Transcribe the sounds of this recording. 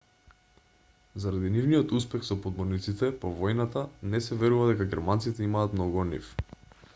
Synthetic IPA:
zaɾad̪inivniɔt̪uspɛxsɔpɔd̪mɔɾnit̪sit̪ɛpovɔjnat̪anɛsɛvɛɾuvad̪ɛkaɡɛɾmant̪sit̪ɛimaːt̪mnɔɡunḭf

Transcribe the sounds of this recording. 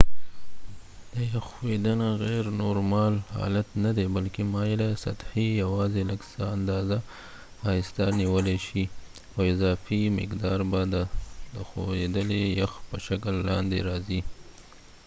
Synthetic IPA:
d̪əjaxwed̪ənaɣɛɾnoɾmɑlhɑ̰lat̪nad̪ebalkemɑjelasa̰t̪hijawɑzeləɡsaand̪ɑza | ɑɪst̪ɑniwəleʃi | xoɪzɑfimɪ̰qd̪ɑɾbad̪əd̪əxo̰wed̪əlejaxpəʃakəlːɑ̰nd̪ḛɾɑzi

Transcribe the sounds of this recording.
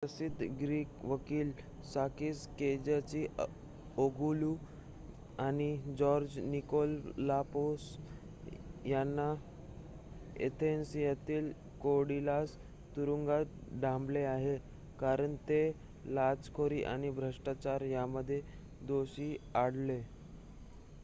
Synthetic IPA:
pəsid̪ʱɡɾiːkʋəkiːl | sakiːsked͡ʑat͡ɕi | oɡulu | añid͡ʑɔɾd͡ʑnikolːapos | janːa | ḛt̪ʰensijat̪iːl | koɽilas | t̪uɾuŋɡaɖʱãmbleaɦe | kaɾəɳt̪e | lad͡zkʰoɾiʔañibʱɾəʂʈat͡ɕaɾjaməd̪ʱːje | d̪oɕiːaɽle

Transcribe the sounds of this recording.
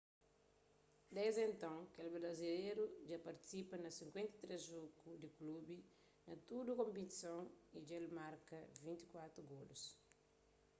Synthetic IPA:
d̪ezẽnt̪ɐ̃ŋkelbɾɐzileɾud͡ʒapɐɾt̪i̥sipɐnɐsĩŋkwẽnt̪ɐt̪ɾɛzʒokud̪iklubi | nɐt̪ud̪ukõmpit̪i̥sõŋid͡ʒelmaɾkɐvĩnt̪i̥kwat̪ɾuɡolus

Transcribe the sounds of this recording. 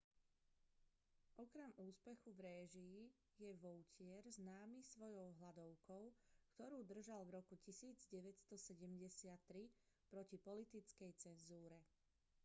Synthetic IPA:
ʔɔkɾɛmuːspɛxuvɾɛːʒii | jɛʋɔʊcɪɛɾznaːmisʋɔjɔʊɦlad̪ɔʊkɔʊkt̪ɔɾuːd̪r̩ʒalvɾɔkucisiːd͡zɟɛʋɛcst̪ɔsɛɟɛmɟɛsɪat̪ːɾi | pɾɔcipɔlit̪it͡skɛjt͡sɛnzuːɾɛ

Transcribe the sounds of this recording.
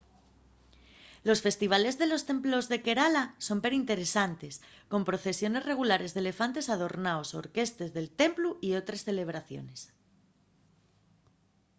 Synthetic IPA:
lo̞sfe̞st̪iβ̞ale̞zðe̞lo̞st̪e̞mplo̞zðe̞ke̞ɾalaso̞mpe̞ɾint̪e̞ɾe̞sant̪e̞sko̞mpɾo̞θe̞sjo̞ne̞sre̞ɣ̞ulaɾe̞zðe̞le̞fant̪e̞sað̞o̞ɾnaoso̞̰ɾke̞st̪e̞zðe̞lt̪e̞mpluio̞t̪ɾesθe̞le̞β̞ɾaθjo̞̰ne̞s

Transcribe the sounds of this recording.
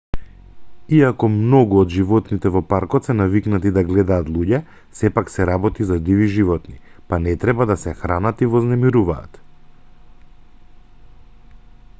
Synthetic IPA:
iakɔmnɔɡuɔd̪ʒivɔt̪nit̪ɛvɔpaɾkɔt̪sɛnaviknat̪id̪aɡlɛd̪aːt̪lˠuɟɛ | sɛpaksɛɾabɔt̪izad̪iviʒivɔt̪nipanɛt̪ɾɛbad̪asɛxɾanat̪ivɔznɛmiɾuvaːt̪

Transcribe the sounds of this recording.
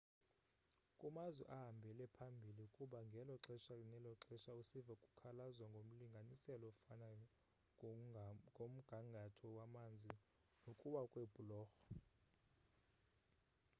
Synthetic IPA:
kʼumazwɛ̰ʔaɦambʱɛlɛpʰambʱiliukʼuɓaŋɡʱɛlɔǁɛʃanɛlɔǁɛʃausivakʼu̥kʰalazwaŋɡʱom̩liŋɡʱanisɛlɔfana | om̩ɡ̥ʱaŋɡʱatʰɔwamand͡zʱi | nokʼuɓakʼweb̥ʱulɔːxɔ̥

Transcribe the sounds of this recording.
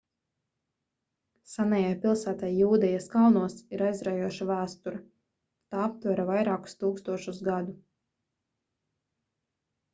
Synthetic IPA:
sanajajpʲilˠsæːt̪ajːuːd̪ɛjaskalˠnuɔsiɾajzɾajuɔʃavæːst̪uɾa | t̪aːap̚t̪vaɾavajɾaːku̥st̪uːkst̪uɔʃusɡad̪u

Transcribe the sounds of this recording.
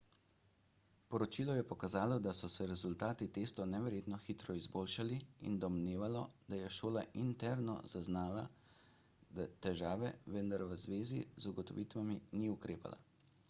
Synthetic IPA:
pɔɾɔt͡ʃiːlɔjɛpɔkazaːlɔd̪asɔsɛɾɛzult̪aːt̪it̪eːst̪ɔnɛʋɛɾjeːt̪nɔxit̪ɾɔizboːlʃaliḭnd̪ɔmneːʋalɔd̪̥ajɛʃoːlaʔint̪ɛɾnɔ̰zaznaːla̰ | d̪at̪ɛʒaːʋɛʋənd̪aɾʋəzʋeːzḭzuɡɔt̪ɔʋiːt̪ʋaminiukɾeːpa̰la̰

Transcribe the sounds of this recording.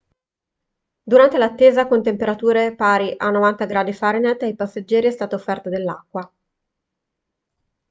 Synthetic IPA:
d̪uɾant̪elat̪ːeːzakont̪empeɾat̪uːɾepaːɾiʔanːovant̪aɡɾaːd̪ifaɾinet̪ajpasːed͡ʒːɛːɾiɛst̪aːt̪oofːɛrt̪ad̪elːa̰kːwa

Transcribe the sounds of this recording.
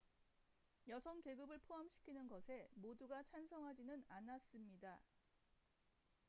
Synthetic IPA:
jʌsʰʌŋke̞ɡɯbɯɭpʰoɦamɕʰi̥kʰinɯnɡʌsʰe̞moduɡat͡ɕʰansʰʌŋɦad͡ʑinɯnanas͈ɯmɲida

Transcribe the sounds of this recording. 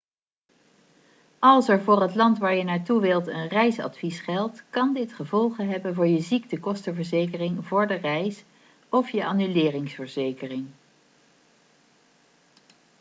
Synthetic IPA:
ɑlˠsɛɹvʊːrɦətlɑntʋaːɹjənaːɹtuʋɪlˠtə̰nrɛjsɑ̰tfisχɛlˠtkɑndɪtχəvɔlˠχənɦɛbənvʊːɹjəzik̚təkɔstəvəɹzejkərɪŋvʊːɹdərɛjs | ɔfjəʔaːnylɪːrɪŋsfəɹzejkərɪŋ

